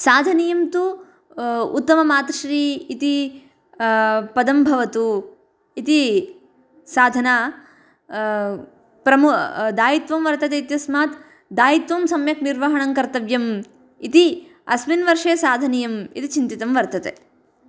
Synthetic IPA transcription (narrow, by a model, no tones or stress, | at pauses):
saːd̪ʱɐnijɐmt̪u | ut̪ːɐmɐmaːt̪ɐʃɾiːit̪i | pɐd̪ɐmbʱɐʋɐt̪u | it̪i | saːd̪ʱɐnaː | pɾɐmud̪aːjit̪ʋɐmʋɐɾt̪ɐt̪eit̪jɐsmaːt̪ | d̪aːjit̪ʋɐmsɐmjɐkniɾʋɐɦɐɳɐŋkɐɾt̪ɐʋjɐm | it̪iɐsminʋɐɾʂeːsaːd̪ʱɐnijɐmḭt̪it͡ʃint̪it̪ɐmʋɐɾt̪ɐt̪e